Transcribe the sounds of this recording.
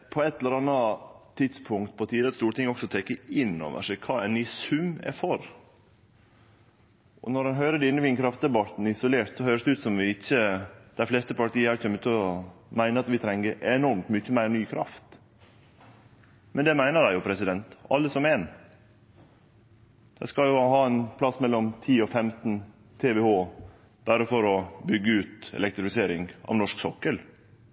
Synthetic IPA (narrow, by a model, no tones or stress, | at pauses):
pʰɔɛt̪ʰːɛləɾɑnːɑt̪ʰɪt̪spʰʊŋkt̪̚pʰɔt̪ʰiːd̪əɾəst̪uːɾəʈɪŋːɔksɔt̪ʰɛkːəɪnːo̰ːʋə̰ʂɛɪkʰɑːænisʉmːɛ̰fɔɾ | ʔɔ̰nɔɾɑnɦøːɾəd̪ɪnːəʋɪnkʰɾɑft̪d̪ɛbɑt̪n̩ɪsʊleːʈ̪sɔhøːɾəsd̪ɛʉːt̪sɔmʋɪɪçːəd̪̥æɾfleːst̪əpɑʈiːəæɾçœmːʉt̪ɔmæɪnəɾɑt̪ʋɪt̪ʰɾɛŋːəʔɛnɔɾmt̪mʏçːəmæɪɾnyːkʰɾɑ̰ft̪ | mɛnd̪ɛmæɪnəɾæɪjʊpʰɾɛsɪd̪ɛnt̪ɑ̰lːəsɔmɛːn | d̪̥ɛskɑljʊhɑːɛnpʰlɑsmɛlːɔmt̪ʰiːɔfɛmt̪n̩ | t̪ʰeʋɛhoː | b̥æːɾəfɔɾɔbʏɡːəʉːt̪ɛ̰lɛk̚t̪ɾɪfɪseːɾɪŋʔɑ̰ʋnɔʂksɔkːəl